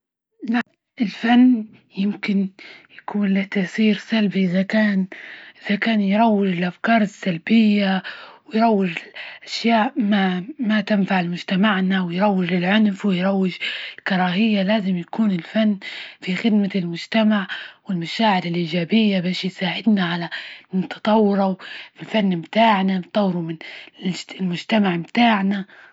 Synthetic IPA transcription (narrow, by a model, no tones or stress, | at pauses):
laʔ | ʔɪlfanː | jɪmkɪnjakuːnlat̪asiːɾsalbiʔɪzakaːnʔɪðakaːnjɾˤɑwːɪd͡ʒɪlʔafkɑːɾˤɪsːalbɪjːawɪjɾˤɑwːɪd͡ʒɪlʔaʃjaːʔmamat̪ɪnfaʕɪlmʊd͡ʒt̪amaʕnawɪjɾˤɑwːɪd͡ʒlɪlʕʊnfwɪjɾˤɑwːɪd͡ʒɪlkɑɾˤɑːɦɪjːalaːzɪmjakuːnɪlfanːfixɪd̪malmʊd͡ʒt̪amaʕwɪlmaʃaːʕɪɾɪlʔiːd͡ʒaːbɪjːabaːʃjsaːʕɪd̪naʕalamɪnt̪ʰɑ̥t̪ˤɑwːɾafilfanːmt̪aːʕnat̪ˤːɑwːɾumɪn | lmʊd͡ʒt̪amaʕmt̪aːʕna